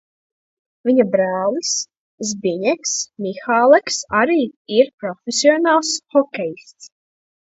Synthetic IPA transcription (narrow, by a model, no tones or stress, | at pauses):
vʲiɲabɾæːlˠis | zbʲiɲɛksmʲixaːlˠɛksaɾiːiɾpɾɔfʲesʲiɔnaːlˠsxɔkʲɛjst̪s